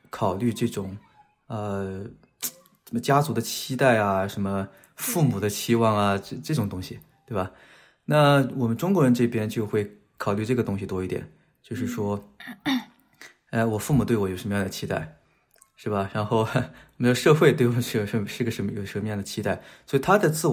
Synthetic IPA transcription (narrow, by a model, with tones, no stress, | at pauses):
kʰɑ˨˩ʊly˥˧ʈ͡ʂɤ˥˩ʈ͡ʂʊ˨˩˦ŋ | ə˧ | ʂt͡ɕja˥t͡su˧˥d̪ə˧t͡ɕʰi˥t̪a˥˩ɪɐ˩ʂə˧˥nmə˧ | fu˥˩mu˨˩d̪ə˦t͡ɕʰi˥wɑ˥˩ŋɐ˩ʈ͡ʂʈ͡ʂɤ˥˩ʈ͡ʂʊ˨˩ŋt̪ʊ˥ŋɕi˨t̪we˥˩ɪbɐ˩ | na˥˩wɔ˨˩mə˦nʈ͡ʂʊ˥ŋkwɔ˧˥ɻə˧˥nʈ͡ʂɤ˥˩pjɛ˥nt͡ɕjo˥˧ʊxwe˥˩ɪ | kʰɑ˨˩ʊly˥˧ʈ͡ʂɤ˥˩ɡə˩t̪ʊ˥ŋɕi˨t̪wɔ˥i˥˩t̪jɛ̰˨˩n | t͡ɕjo˥˧ʊʂɻ̩˥˩ʂwɔ˥ | a˥˩wɔ˨˩fu˥˩mu˨˩t̪we˥˩ɪwɔ˥˩jʂə˧˥m˧jɑ˥˩ŋd̪ə˩t͡ɕʰi˥t̪a̰˥˩ɪ | ʂɻ̩˥˩bɐ˩ɻa˧˥nxo˥˧ʊ˥wɔ˩mə˥ʈ͡ʂʂɤ˥˧xwe˥˧ɪt̪we˥˩ɪwɔ˨˩ʂɻ̩˥˩˧ʂɻ̩˥˩˧ɡə˧ʂə˧˥nm˧˩jo˨˩ʊʂə˧˥˧ə˧jɑ˥˩ŋd̪ə˩t͡ɕʰi˥t̪a˥˩ɪswɔ˧˥i˨˩t̪ʰa˥t͡sə˧t͡sɹ̩˥˩